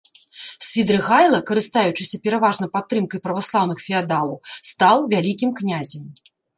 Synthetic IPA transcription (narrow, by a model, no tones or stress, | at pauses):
sʲvʲid̪ɾɨɣajlˠɐkɐɾɨst̪ajut͡ʂɨsʲɐpʲɛɾavaʐnɐjpat̪ːɾɨmkɐjpɾɐvaslˠawnɨxfʲiad̪alˠɐwst̪awvʲalʲikʲimknʲazʲɛm